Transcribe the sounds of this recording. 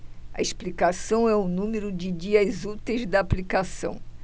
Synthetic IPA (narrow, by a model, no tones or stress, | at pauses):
ɐ̰ɪsplikasɐ̃w̃ɛʊnũmeɾʊd͡ʒɪd͡ʒiɐzut̪ejzd̪ɐːplikasɐ̰̃w̃